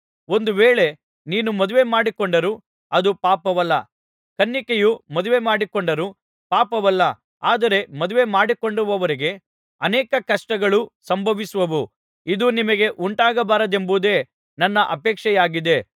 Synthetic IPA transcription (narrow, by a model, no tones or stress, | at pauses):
o̞nd̪uʋeːɭe̞ | niːnumɐd̪uʋe̞maːɽikoɳɖɐɾu | ɐd̪upaːpɐʋɐlːɐ̰ | kɐnːikejumɐd̪uʋe̞maːɽikoɳɖɐɾu | paːpɐʋɐlːɐ | aːd̪ɐɾe̞mɐd̪uʋe̞maːɽikoɳɖuʋɐʋɐɾiɡe̞ | ɐnɛːkɐkɐʂʈɐɡɐɭusɐmbʱɐʋisuʋɐʋu | id̪unimɐɡe̞ʔuɳʈaːɡɐbaːɾɐd̪e̞mbud̪e̞ː | nɐnːɐʔɐpɛːkʂɛjaːɡid̪e̞